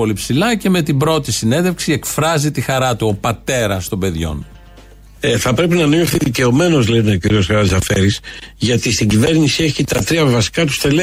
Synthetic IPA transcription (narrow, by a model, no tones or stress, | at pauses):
o̞lipsilɐce̞me̞t̪ibɾo̞t̪isine̞ðe̞fksie̞kfɾɐzit̪ixɐɾɐt̪uo̞pɐt̪e̞ɾɐst̪o̞be̞ðʝo̞̰n | eθɐpɾe̞pinɐnioθiðice̞o̞me̞no̞zleneociɾio̞sxɐɾɐzɐfeɾisʝɐt̪ist̪iɲɟive̞ɾnisie̞çit̪ɐt̪ɾiɐvɐsi̥kɐt̪u̥st̪e̞le